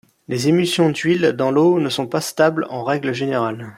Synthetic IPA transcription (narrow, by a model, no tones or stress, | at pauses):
lezemysjɔ̃d̪ɥild̪ɑ̃lonəsɔ̃past̪ablɑ̃ʁɛɡləʒeneʁal